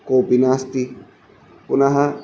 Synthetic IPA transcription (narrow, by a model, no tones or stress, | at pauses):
koːpinast̪i | ʊnaɦa